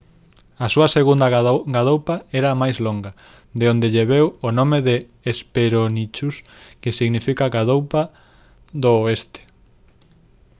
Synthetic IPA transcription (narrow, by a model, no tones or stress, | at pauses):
ɐsuɐseɣund̪ɐɡaðowpɐɛɾɐmajzloŋɡɐ | d̪eond̪eʎeβewonõmeðeː | speɾonit͡ʃuskɪsiɣnifikɐɣaðowpɐ | ðoest̪e̥